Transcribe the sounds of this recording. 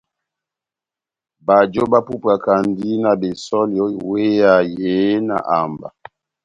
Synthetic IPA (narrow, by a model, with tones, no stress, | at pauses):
ba˨d͡ʒo˦ba˦pu˦pa˨ka˨ndi˦na˨be˨sɔ˦ljɔ˦we˦ja˨je˨˦na̰˨ʔa˨mba̰˨